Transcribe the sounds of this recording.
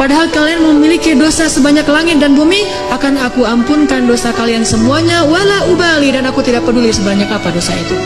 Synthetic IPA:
padaɦalkalianməmilikidosasəbaɲaklaŋɪt̪̚danbumi | akanakuampunkandosakaliansəmuaɲawalahubalidanakut̪idak̚pədulisəbaɲakapadosait̪u

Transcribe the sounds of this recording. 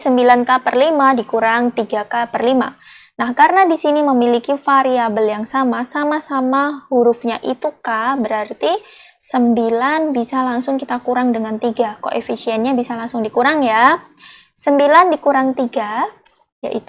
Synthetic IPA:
səmbilankapərlimadikuɾaŋt̪iɡakapərlima̰ | nahkaɾənadisiniməmilikifaɾiabəljaŋsamasamasamahuɾʊfɲaʔit̪ukahbəɾart̪i | səmbilanbisalaŋsʊŋkit̪akuɾaŋdəŋant̪iɡako̰ʔḛfisiɛnɲabisalaŋsʊŋdikuɾaŋja | səmbilandikuɾaŋt̪iɡa | ja̰ʔit̪

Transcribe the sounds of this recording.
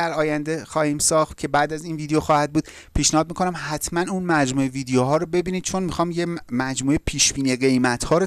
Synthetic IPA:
æɾɒːjænd̪exɒːhiːmsɒːxt̪̚cʰe̞bæːd̪æziːnviːd̪ejoxɒːhæd̪̚buːd̪ | pʰiːʃnæhɒːd̪miːkʰo̞næmhæt̪ʰmænunmæd͡ʒmuːeviːd̪ejoɦɒːɾobe̞biːniːd̪̚t͡ʃʰo̞nmixɒːmjemæd͡ʒmuːepʰiːʃbiːnieɣe̞jmæt̪hɒːɾo

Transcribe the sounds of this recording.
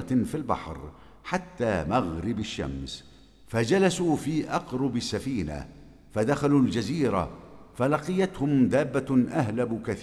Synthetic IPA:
filbɑ̰ħɾ | ħat̪ːaːmaɣɾɪbaʃːa̰ms | fad͡ʒalasuːfiːʔɑqɾˤʊbasːafiːna̰ | fad̪axaluːld͡ʒaziːɾa̰ | falɑqɨjat̪hʊmd̪aːbːaʔahlabkaθ

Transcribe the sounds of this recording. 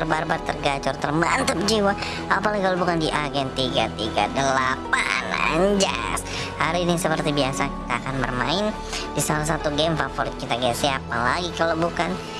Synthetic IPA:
ərbarbat̪ːərɡat͡ʃʊrt̪ərmant̪əp̚d͡ʒiwa | apalaɡikalobukandiʔaɡɛnt̪iɡat̪iɡa̰dəlapa̰na̰ɲd͡ʒa̰s | haɾiːnisəpərt̪ibiasaki̥t̪aːkanbərmaɪn | disalas̬at̪uɡɛmfafɔɾt̪̚kit̪aɡasiapalaɡikalowbukan

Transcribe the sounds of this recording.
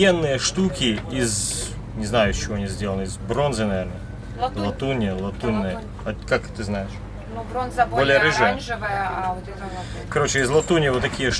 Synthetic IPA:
jenːɨjəʂt̪ukʲɪɪz | nʲɪznajʊsʲt͡ɕːɪvoɐnʲizʲdʲelˠənɨɪzbɾo̞nzɨnɐvʲeɾnə | llˠɐt̪unʲːɪəlˠɐt̪unːəjə | ɐkakt̪ɨznajɪʂ | bbolʲɪjəɾɨʐɨjəvj | kɐɾo̞t͡ɕɪɪzlˠɐt̪unʲɪjəvot̪ːɐkʲijəʂ

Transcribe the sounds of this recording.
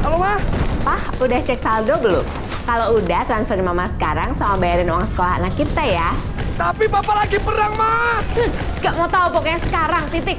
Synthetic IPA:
alomahpahudaht͡ʃɛk̚saldobəlʊ̰m | kaloudaht̪ɾansfərɾmamasə̥kaɾaŋsamabajaɾɪnowaŋsə̥kolaɦa̰nakit̪aja | t̪apibapalaɡipənaŋmahŋɡaʔmaut̪aupɔkaɲasə̥kaɾaŋt̪it̪ɪk̚

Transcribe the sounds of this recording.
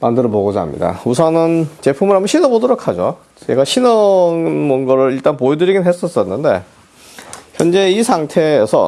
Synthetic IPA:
mandɯɾʌboɡod͡ʑa̰mɲḭda̰usʰʌnɯnt͡ɕe̞pʰumɯnɦambʌnɕʰinʌbodɯɾokʰad͡ʑo̰ | t͡ɕe̞ɡaɕʰinʌnmonɡʌɾɯɭiɭt͈anpoedɯɾiɡinɦes͈ʌs͈ʌnːɯnde̞̰ | çjʌnd͡ʑe̞isʰaŋtʰeːsʰʌ̰

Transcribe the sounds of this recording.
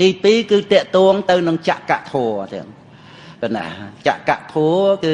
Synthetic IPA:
t̪iːpiːkɨːt̪ɛ̆əʔt̪ɔːŋt̪ɨwnɨŋt͡ɕa̰ʔka̰ʔt̪ʰoət̪ɛ̰əŋ | kəna̰t͡ɕa̰ʔkaʔt̪ʰuəkɨː

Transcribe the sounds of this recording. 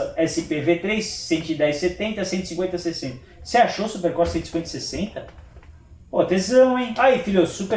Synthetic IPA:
ɛsɪpevet̪ɾejsːẽnt̪ʊɪd̪ɛjsset̪ẽnt̪ɐsẽnɪ̥sĩkwẽt̪ɐsesẽnt̪ɐseaʃosupeɾkɔɾsẽt̪sĩkwẽnt̪ɐsesẽnt̪ɐ | pot̪ezɐ̃w̃ẽj̃ajfilosuka

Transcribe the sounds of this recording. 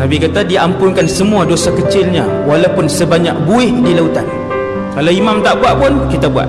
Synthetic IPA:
nabikat̪adiampʊnkansəmũadosakət͡ʃɪlɲã | walawpʊnsəbaɲak̚buɪhdilaut̪an | kalawimãmt̪aʔbuaʔpʊnkit̪abua̰ʔ

